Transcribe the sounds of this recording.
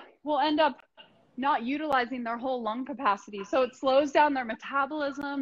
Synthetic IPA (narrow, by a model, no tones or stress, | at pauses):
wɪlˠɛ̃ndʌp̚ | nət̚jʉɾəlaɪzɪ̃ŋðə˞ɦoʊlˠʌ̃ŋkʰɨpʰæsɨɾisoʊɨtsloʊzdãʊ̃nðə˞mɨtʰæbəl̩ˠɪzə̃m